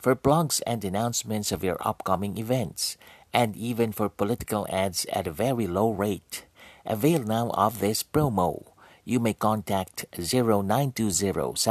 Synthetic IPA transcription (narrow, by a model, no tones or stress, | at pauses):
fɔɹplɔɡzɛ̰̃ndɨnãʊ̃nsmɨ̃ntsʌvjɔ̰ɹʔʌ̰pkʌmɪ̃ŋɪvɛ̃ntsʔɛ̃ndivɨ̃nfɔɹpɔlɪtɪ̥kəlˠædzɨ̰təvɛɹiloʊɹeɪtʔəveɪlˠnaʊʔʌ̰vðɪspɹoʊmoʊ | jumeɪkɑ̃ntʰæk̚tziɹoʊnãɪ̃ntuzɪɹo̰ʊs